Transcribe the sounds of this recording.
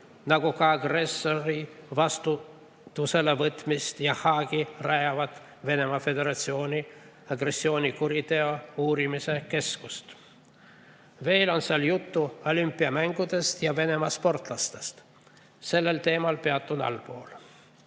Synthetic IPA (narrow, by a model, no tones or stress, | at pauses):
nɑɡ̥ukɑɑɡre̞soɾivɑst̪u | t̪ːuse̞levɤt̪ˑmist̪jɑhɑːɡ̥irɑjɑvɑt̪ˑ | ve̞ne̞mɑfe̞d̪e̞ɾɑt̪sio̞ːnʲi | ɑɡre̞sːio̞ːnʲikuɾit̪e̞ouːɾimise̞ke̞skust̪ | ve̞ːlo̞nseɑljut̪ːuo̞lympːˑiɑmæŋɡ̥ud̪̥e̞st̪jɑve̞ne̞mɑspo̞rt̪ˑlɑst̪e̞st̪ | se̞lːe̞lt̪e̞ːmɑlpe̞ɑt̪ˑːunɑ̰lpo̞ːl